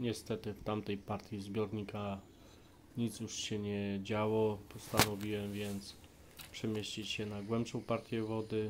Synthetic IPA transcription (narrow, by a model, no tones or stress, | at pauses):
ɲɛst̪ɛt̪ɘft̪amt̪ɛjpaɾt̪ʲjizbʲjɔɾɲika | ɲit̪sjuʂɕɛɲɛd͡ʑawɔpɔst̪anɔvʲiwɛmvʲjɛnt̪s | pʂɛmʲjeɕt͡ɕit͡ɕɕɛnaɡwɛmpʂɔ̃w̃paɾt̪ʲjɛvɔd̪ɘ